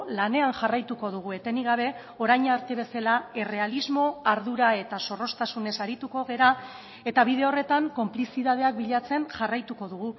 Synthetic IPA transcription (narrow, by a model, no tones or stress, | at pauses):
lane̞anʝarajt̪uko̞ðuɣ̞ue̞t̪e̞niɣ̞aβ̞e̞ | o̞ɾajɲaɾt̪e̞β̞e̞salae̞re̞alizmo̞aɾðuɾae̞t̪aso̞ro̞st̪asune̞saɾit̪uko̞ɣ̞e̞ɾa | e̞t̪aβiðe̞o̞re̞t̪aŋko̞mplisiðað̞e̞ak̚biʎat͡se̞nʝarajt̪uko̞ð̞uɣu